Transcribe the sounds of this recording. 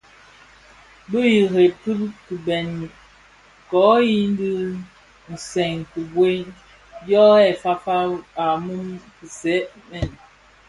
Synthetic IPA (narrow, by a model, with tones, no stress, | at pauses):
bə˦ji˨ɦe˨pɨ˦pkɨ˨bɛ˨n˨ | kɔ˨˦ji˦n˦di˦ | n̩˨sɛ˨ŋkɨ˨bwe˦ | jɔ˦ɛ˨fa˦fa˦a˨mu˦mkə˨sɛ˨˦ʔ | mɛ˨n